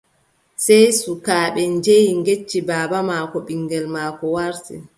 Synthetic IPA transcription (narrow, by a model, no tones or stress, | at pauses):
sɛjsukaːɓɛɲd͡ʒejiŋɡet͡ʃːibaːbamakɔɓiŋɡɛlmaːkɔwaɾtḭ